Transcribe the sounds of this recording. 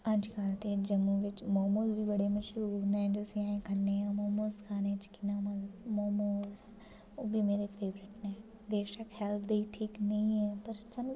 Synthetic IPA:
ɐ̃t͡ʃkaːlt̪ed͡ʒɐmːuʋɪt͡ʃmɔːmoːzbʱibɐɽemɐʃunɛ̃d͡ʒoːsiaːẽkʰɐnːeɛ̃mɔːmoːzkʰaːnet͡ʃɪ̥kɪnaːmɐzmɔːmoːz | oːbʱimeːɾepʰeːʋɾɪʈnẽː | d̪eːʃɐkʰɛːld̪ɐiʈʰiːknɐɦĩɦɛːpɐɾt͡ʃɐn

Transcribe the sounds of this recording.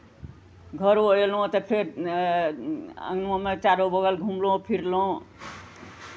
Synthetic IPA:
ɡʱəɾoelõt̪ɔpʰeɾ | ə̰̃ŋnmomet͡ʃaɾobəɡəlɡʱumloõpʰiɾloõ

